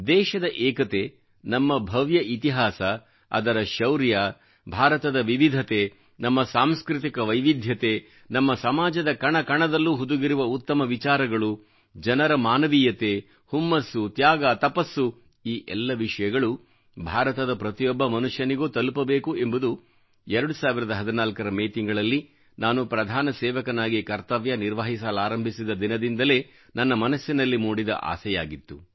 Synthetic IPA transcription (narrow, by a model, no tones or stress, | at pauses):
d̪ɛːʃɐd̪ɐʔɛːkɐt̪eː | nɐmːɐbʱɐʋjɐʔit̪iɦaːsɐ | ɐ̰d̪ɐɾɐʃɐwɾja | bʱaːɾɐt̪ɐd̪ɐʋiʋid̪ʱɐt̪e̞ | nɐmːɐsaːmskɾit̪ikɐʋɐjʋid̪ʱjɐt̪e | nɐmːɐsɐmaːd͡ʒɐd̪ɐkɐɳɐkɐɳɐd̪ɐlːuːɦud̪uɡiɾuʋɐut̪ːɐmɐʋit͡ʃaːɾɐɡɐɭu | d͡ʒɐnɐɾɐmaːnɐʋiːjɐt̪e | humːɐsːut̪jaːɡat̪ɐpɐsːu | iːʔɛlːɐʋiʂɐjɐɡɐɭu | bʱaːɾɐt̪ɐd̪ɐpɾɐt̪ijɔbːɐmɐnuʂjɐniɡoːt̪ɐlupɐbe̞ːkuembud̪u | ɛɾɐɽusaːʋiɾɐd̪ɐɦɐd̪inaːlkɐɾɐmeːt̪iŋɡɐɭɐlːi | naːnupɾɐd̪ʱaːnɐsɛːʋɐkɐnaːɡikɐɾt̪ɐʋjɐniɾʋɐɦis̬aːlaːɾɐmbʱisid̪ɐd̪inɐd̪ind̪ɐle̞ː | nɐnːɐmɐnɐsːinɐlːimuːɽid̪ɐ̰ʔa̰ːsɛja̰ːɡit̪ːu